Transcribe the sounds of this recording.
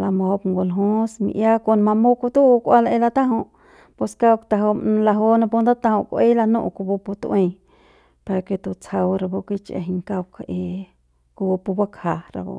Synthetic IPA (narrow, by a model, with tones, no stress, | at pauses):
la˧mõ˧˨o˧pŋɡo˧lɦũ˦smḭ̃˧ʔja˦ko˧nmã˧mo˦ku˧t̪u˦˧kʷa˦la˧e˧la˧t̪ã˦ɦõ˧ | po˧ska˦wkt̪a˧ɦo˧la˧ɦo˦nã˧p̬u˧nd̪a˦t̪ã˧hõ˧kʷe˦la˧nṵ̃˦˧ʔku˧bo˧pu˧t̪wẽ˧ | pa˧ɾa˧ke˧t̪u˧t͡sha˧wɾa˧bo˧kʷi˦t͡ʃḛ˧˨ɦi˧ŋka˧wka˧ʔe˧ | ku˧o˧pu˧ba˦kha˧ɾa̰˧bo̰˧